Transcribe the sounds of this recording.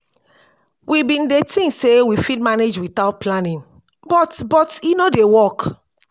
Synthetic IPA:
wʔibĩndetĩŋksewifitmaned͡ʒwitaʊt̚planĩn | bɔtbɔtinodewɔk

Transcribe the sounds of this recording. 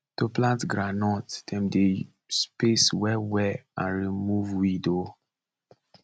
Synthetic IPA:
toplãntɡɾɹanɔtdɛ̃mde | speswɛwɛã̰nɹimuvwido

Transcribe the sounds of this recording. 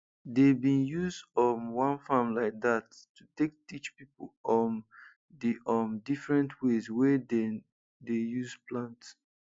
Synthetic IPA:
debĩnjuzdɔnwãnfãmlaɪk̚datː | utek̚tit͡ʃpipolɔn | diɔmdifɹɛ̃ntʰwezwɛdɛn | dejuzplãnts

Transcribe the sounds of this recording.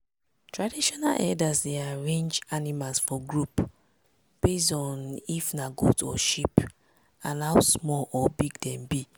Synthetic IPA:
tɹadiʃɔna̰lʔɛ̰dasdeaɹẽnd͡ʒanimalsfɔɡɹup | b̥esɔ̃nifnaɡṵdɔʃip | ãnaʊsmɔlɔbiɡdɛ̃mbi

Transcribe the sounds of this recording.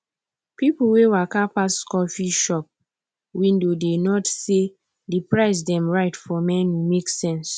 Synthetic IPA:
pipuwewakapaskɔfiʃɔp̚ | wĩndodenɔtse | dipɹaɪs̬dɛ̃mɹaɪtfɔmɛ̃nwimeksɛ̃ns

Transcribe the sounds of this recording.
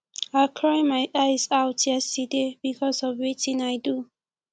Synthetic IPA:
aɪkʰɹajmaɪʔaɪzaʊtʰjɛstədeb̥ikʰɔsɔvwitĩŋaɪdu

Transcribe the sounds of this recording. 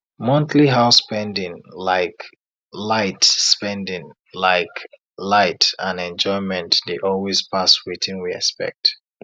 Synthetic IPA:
mɔ̃ntʰliɦaʊspɛ̃ndĩŋlaɪk | laɪtspɛ̃ndɪ̃ŋ | laɪk | laɪtə̃nɛ̃nd͡ʒɔ̃ɪmɛ̃ntdeʔɔlˠwiz̥pʰaswiθĩnwiɛ̰spɛ̰k̚t

